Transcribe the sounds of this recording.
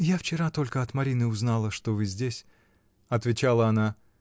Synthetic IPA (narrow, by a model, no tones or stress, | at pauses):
jaft͡ɕɪɾat̪o̞lʲkəɐt̪mɐɾʲinɨʊznalˠəʂt̪ovɨzʲdʲesʲ | ɐt̪vʲɪt͡ɕalˠəɐna